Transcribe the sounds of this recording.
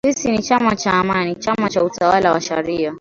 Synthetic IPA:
sisinit͡ʃamat͡ʃaːmanit͡ʃamat͡ʃautawalawaʃaɾia

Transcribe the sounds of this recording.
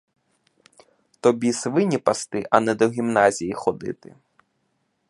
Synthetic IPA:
t̪ɔbʲisvɪnʲipast̪ɪʔɐnɛd̪ɔɣʲimnazʲijixɔd̪ɨ̰t̪ɨ̰

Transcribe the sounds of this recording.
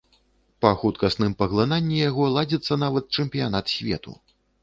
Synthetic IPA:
pɐxut̪kɐsnɨmpɐɣlˠɨnanʲːijaɣɔlˠad͡zʲɛt̪sːɐnavɐt̪̚t͡ʂɛmpʲijanat̪sʲvʲɛ̰t̪ṵ

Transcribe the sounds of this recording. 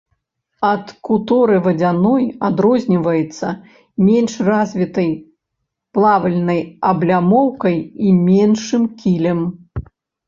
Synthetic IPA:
ɐt̪kut̪ɔɾɨvɐd͡zʲanɔjad̪ɾɔzʲnʲivɐjɛt̪sːɐ | mʲɛnʂrazʲvʲit̪ɐj | plˠavɐlʲnɐjɐblʲamɔwkɐjimʲɛnʂɨmkʲilʲɐm

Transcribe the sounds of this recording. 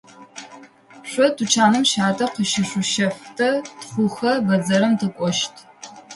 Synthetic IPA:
ɕʷɔtʰut͡ʃʰaːnɨmʃaːtʰʼɐqəʃɪɕʷʊʃɐftʰɐtχʷʊxɐbɐzɐɾɐmtʰɨkʷʼɔʃtʰ

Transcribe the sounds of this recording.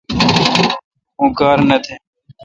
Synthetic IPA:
ũːkaːɾnət̪ʰeː

